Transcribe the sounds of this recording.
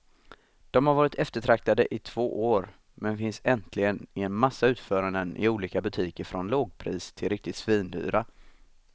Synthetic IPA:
d̪̥ɔmhaɾvɑːɾɪt̪ʰɛft̪əʈʰɾak̚t̪ad̪əʔɪt̪ʰv̥oːʔoːɾ | mɛnfɪnsɛnt̪ʰlɪɡənɪɛnmasːaʉ̟ːt̪fœːɾand̪ənʔɪ̰uːliːkabɵt̪ʰiːkəɾfɾɔnloːɡ̚pʰɾiːst̪ʰɪlɾɪk̚t̪ɪt̪sviːnd̪y̰ːɾa

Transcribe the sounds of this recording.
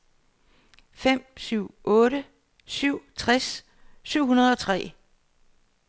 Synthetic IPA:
fem̰syʊ̰ʔɔ̽ːɾə | syʊ̰t͡sʰʁasː | yʊ̰ɦunɐð̞ˠɒ̽t͡sʰʁɛ̰ː

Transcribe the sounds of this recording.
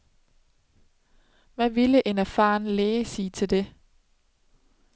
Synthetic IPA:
ʋæʋiləʔe̝næɐfɑ̰̈ːnleːsiːt͡sʰe̝ld̥e̝

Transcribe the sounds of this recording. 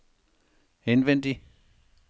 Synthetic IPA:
henʋen̰d̥i

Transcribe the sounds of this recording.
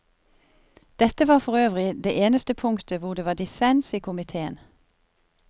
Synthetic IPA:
d̪̥ɛt̪əʋɑːʁfɔʁøːʋʁɪd̪ḛːʔeːnəst̪əpʰʊŋt̪ʰəʋʊʁd̪eːʋɑːd̪ɪsɛnsiːkʰʊmɪt̪ʰeːə̰n

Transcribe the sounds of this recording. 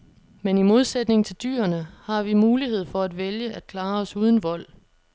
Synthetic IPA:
menimo̝ð̞ˠsed̥ne̝ŋ̩t͡sʰe̝ld̥y̰ːɐnəhɑ̈ʋimuːliɦe̝ð̞̰ˠfɒ̽æd̥ʋeljəʔæd̥̚kʰlɑ̈ːɒ̽suːð̞ˠn̩ʋɒ̽l̰

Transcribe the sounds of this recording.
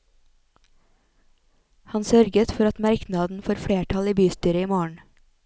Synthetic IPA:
hɑnsœɾɡət̪fɔɾɑt̪mæɾknɑd̪n̩foːɾfɽeːʈʰɑliːbyːst̪yːɾəiːmoːəɳ̩

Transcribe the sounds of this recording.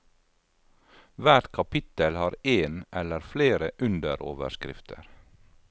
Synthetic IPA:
ʋæːʈkʰɑpʰɪt̪əlhɑːɾeːnʔɛləɾfleːɾəʔʉnd̪əɾo̰ːʋə̰ʃkɾɪ̰ft̪ʰə̰ɾ

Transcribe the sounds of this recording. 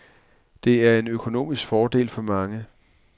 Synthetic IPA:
d̥e̝æɐe̝nøkʰo̝no̝̰ːmisɡ̥fɒːd̥e̝̰ːlfɒ̽mɑ̈ŋə

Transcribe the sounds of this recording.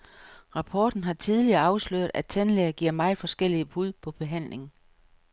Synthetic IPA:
ʁɑ̈pʰɒːd̥n̩ɦɑ̈t͡sʰiðˠliɐːɑ̈ʊsløɐð̩ˠæt͡sʰænleːɐɡ̥iɐ̰mɑ̈ɪ̥fɒ̽sɡ̥el̰ib̥uð̞ˠpʰɒ̽b̥e̝ɦæn̰le̝ŋ̩

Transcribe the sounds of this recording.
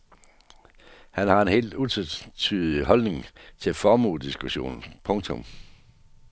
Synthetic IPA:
hænhɑ̈e̝nɦe̝̰ːld̥ut͡sʰet͡sʰyːðˠiɦɒ̽lne̝ŋt͡sʰe̝fɒːmṵːd̥isɡ̥uɕo̝̰ːn̩pʰɔ̽ŋt͡sʰɔ̽m

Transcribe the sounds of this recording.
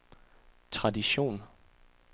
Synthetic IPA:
t͡sʰʁɑ̈diɕo̝̰ːn

